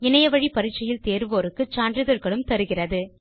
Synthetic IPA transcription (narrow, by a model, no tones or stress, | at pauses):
ɪnɐjɐʋɐɻipɐɾɪt͡ʃːɐjɪlt̪eːɾɯʋoːɾɯkːɯt͡ʃaːnɖrɪðɐɾɣɐɭɯmt̪ɐɾɯɣɪrɐðɯ